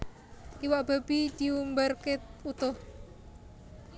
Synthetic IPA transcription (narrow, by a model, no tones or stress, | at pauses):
iwab̥a̤b̥id̪̥iumbərket̪ut̪ʊh